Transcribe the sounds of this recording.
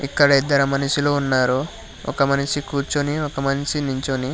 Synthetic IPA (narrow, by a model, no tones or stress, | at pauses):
ikːɐɽɐid̪ːɐɾɐmɐnɐʂilo̞ːunːaːɾo | ɔ̰kɐmɐnɐʂikuːɾt͡ʃoniɔkɐmɐnɐʂinuɲt͡ʃoni